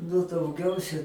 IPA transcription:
nʊ dɐʊˈɡʲɛʊsʲɛ

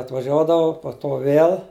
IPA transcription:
ɐtʋɐˈʒʲuɔdɐʋʊ poː toː ˈʋʲeːlˠ

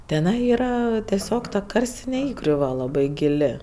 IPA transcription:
tʲɛˈnɐɪ ˈiːrɐ tʲɛˈsʲoːk tɐ ˈkɐrʲsʲtʲɪnʲɛ ˈiːɡrʲʊʋɐ lˠɐˈbɐɪ ɡʲɪˈlʲɪ

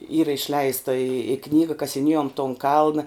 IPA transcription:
ˈiːrɐ ɪʃʲˈlʲɛɪstɐ ɪ ɪ ˈknʲiːɡɐ kɐsʲɪˈnʲiɛjoːm toːn ˈkɐlˠnɐ

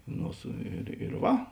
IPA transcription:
ˈnoː sʊ ɪr ɪr ˈʋɐ

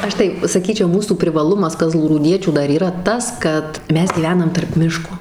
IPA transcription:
ˈɐʃ tɐɪ sɐˈkʲiːt͡ʃʲɛʊ ˈmuːsuː pʲrʲɪʋɐˈlˠʊmɐs kɐzlˠuːruːˈdʲiɛt͡ʃʲuː ˈdɐr iːˈrɐ ˈtɐs kɐt ˈmʲɛs ɡʲiːˈʋʲæːnɐm tɐrp ˈmʲɪʃkoː

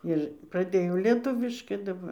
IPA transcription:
ɪr prɐˈdʲeːjɛʊ lʲiɛˈtʊʋʲɪʃkɐɪ dɐˈbɐr

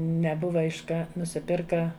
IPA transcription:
nʲɛˈbʊʋɐ ɪʃ ˈkɐ nʊsʲɪˈpʲɪrkɐ

